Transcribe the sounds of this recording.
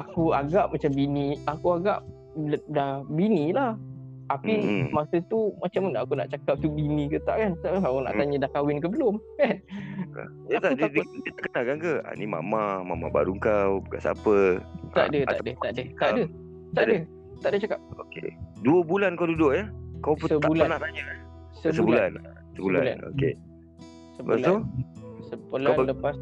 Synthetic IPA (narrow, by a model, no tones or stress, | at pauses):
akuaɡaʔp̚mat͡ʃambiniakuaɡap̚ | dahbinĩlah̪ | apimasət̪umat͡ʃamnakuna̰ʔt͡ʃakap̚t̪ubinĩkət̪a̰ʔkant̪aʔawana̰ʔ̪aɲədahkawɪnk̬əbəlʊmkan̰ | jəat̪aud̪adadət̪əkənakankəa̰nima̰mama̰ma̰ba̰ɾuŋkawbəka̰sa̰pət̪a̰ʔdətaaʔdət̪aʔdət̪adə | t̪adəə | t̪aʔdət͡ʃakap̚okḛduəbulankawdudʊʔ̚jakawpusəb̪aulanaʔt̪aɲə | səsəubulan | səbulaṵla̰no̰kḛ | səbalausəpəlanləpas